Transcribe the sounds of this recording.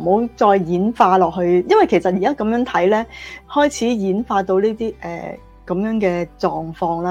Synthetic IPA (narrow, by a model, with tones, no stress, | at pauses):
ho˨˥wt͡sɔː˧jjiː˨˥nfaː˧lɔː˨k̚hɵ˧ɥjɐ˥nwɐ˨˩jkʰe˨˩jsɐ˨t̚ji˨kaː˦˥kɐ˨˧˦mjœː˨˥ŋt̪ʰɐ˨˥jlɛː˥hɔː˥jt͡sʰiː˨˥jiː˨˥nfaː˧t̪o˧wniː˥t̪iː˥ʔɛ̰ː˨ | kɐ˨˥mjœː˨˥ŋkɛː˧t͡sɔː˧ŋfɔː˧ŋlaː˦˥